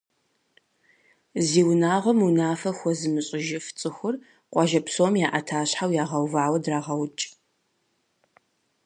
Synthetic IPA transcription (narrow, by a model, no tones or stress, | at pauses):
ziːwnaːʁʷɔmunaːfɐxʷɔzɨmɨɕʼɪʒɪft͡sʼɨxʷʊr | qʷʼɑʒɐpsomjaːʔɐtʰaːɕħawjaːʁɐwvaːwɐdraːʁɐwt͡ʃʼ